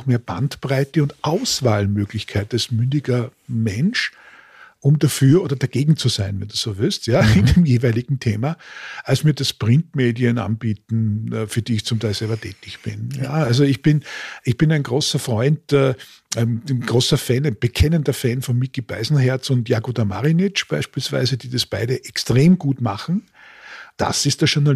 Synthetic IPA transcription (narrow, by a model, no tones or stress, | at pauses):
xmeːɐb̥a̰ntpʁaɪtəʊntʔaʊsvaːlmøːɡlɪçkʰaɪtasmʏndɪɡɐ | mɛnʃ | ʔʊmdafyːɐʔoːdɐd̥aɡ̥eːɡŋ̩t͡suzaɪnvɛnd̥uːz̥oːvɪlstjaːɪndeːmjeːvæɪlɪɡŋ̩tʰeːmaʔalsmiːɐdɐspʁ̥ɪ̃ntmeːdiəna̰nbiːtn̩ɛfyːɐd̥iːɪçt͡sʊmtʰaɪlsɛlbɐtʰɛ̰ːtɪçb̥ɪnja̰alzoɪçb̥ɪnɪçb̥ɪnæɪnɡ̥ʁoːsɐfʁ̥ɔʏntɛː | ɛmnɡ̥ʁoːsɐfɛnb̥əkʰɛnəndɐfɛnfɔnmikib̥a̰ɪzn̩ɦɛɐt͡sʊntjaːɡudama̰ʁinɪt͡ʃb̥aɪʃpiːlsv̥a̰ɪzədiːd̥asb̥aɪɾəʔɛkstʁ̥eːmɡuːtmaχn̩ | d̥a̰sɪstd̥ɐʃʊɐna